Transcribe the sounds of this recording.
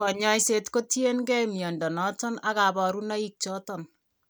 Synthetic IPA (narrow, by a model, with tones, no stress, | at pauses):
kɔ˨ɲɔ˦jse˦tko˦tje˦nɡɛ˦mjɔ˨ndɔ˨nɔ˦tɔ˦na˦ka˨ba˨ɾu˦na˦i˦k̚t͡ʃɔ˦tɔ˦n